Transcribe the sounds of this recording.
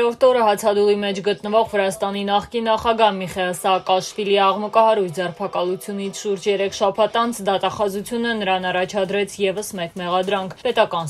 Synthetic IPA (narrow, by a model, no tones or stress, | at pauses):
ɾɔɾt̪ʰɔɾəɦɑt͡sʰɑd̪ulimɛt͡ʃʰɡət̪nəvɔʁvəɾɑst̪ɑninɑχkinːɑχɑɡɑɦmiχɛlsɑkɑʃfiliɑʁməkɑɦɑɾujʰd͡zɛrpʰɑkɑlut͡sʰjunit͡sʰʃuɾd͡ʒjɛɾɛkʰʃɑpʰɑt̪ɑnt͡sʰd̪ɑt̪ɑχɑzut͡sʰjunənəɾɑnɑrɑt͡ʃʰɑd̪ɾɛt͡sʰjɛvəsmɛkmɛʁɑd̪ɾɑŋkʰpɛt̪ɑkɑn